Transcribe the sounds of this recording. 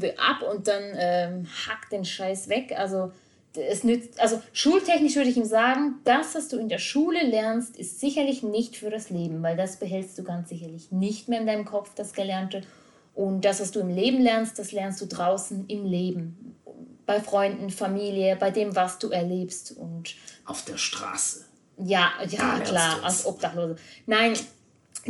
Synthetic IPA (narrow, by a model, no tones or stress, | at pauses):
bəʔa̰pʊnt̚d̥anʔɛːhakd̥eːnʃaɪsv̥ɛkʔalzo | ɛsnʏt͡stʔalzoʃuːltʰɛçnɪʃv̥ʏɐɾəɪçiːmzaːɡŋ̩d̥asv̥asd̥uːɪndeːɐʃuːləlɛɐnstɪstz̥ɪçɐlɪçnɪçtfyːɐɾasleːbm̩vaɪldasb̥əɦɛlstd̥uːɡant͡sz̥ɪçɐlɪçnɪçtmeːɐɪndaɪnəmkʰɔfd̥asɡ̥əlɛɐntə | ʔʊnt̚d̥asv̥asd̥uːɪmleːbm̩lɛɐnst̚d̥aslɛɐnstd̥uːdʁaʊsn̩ɪmleːbm̩ | b̥aɪfʁ̥ɔʏndn̩famiːljəbaɪdeːmvasd̥uːɛɐleːpstʊ̰ntʔaʊfd̥eːɐʃtʁ̥a̰ːsə̥ | jaːjaːkl̥aːɐʔa̰lsʔʔɔp̚d̥aχloːzənaɪn